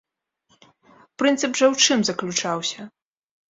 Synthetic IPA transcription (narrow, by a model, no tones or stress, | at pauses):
pɾɨnt̪sɨbʐɐwt͡ʂɨmzɐklʲut͡ʂawsʲɐ